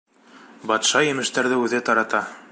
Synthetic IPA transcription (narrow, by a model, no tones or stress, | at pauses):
bɑt̪ʃɑjɘ̆mɘ̆ʃt̪æɾðɘʉðɘt̪ɑɾɑt̪ɑ